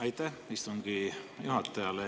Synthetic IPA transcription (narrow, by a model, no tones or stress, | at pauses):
ɑjt̪ːæhmist̪oŋɡijuɦɑt̪ːˑɑjɑle